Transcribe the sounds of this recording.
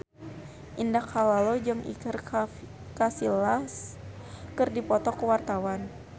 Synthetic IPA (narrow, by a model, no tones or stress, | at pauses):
ʔindakhalalod͡ʒɨŋʔḭkər | kasilas | kərdipɔt̪ɔkəwart̪awan